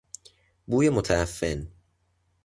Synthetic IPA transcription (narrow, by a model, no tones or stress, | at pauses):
buːjemot̪ʰææfːḛn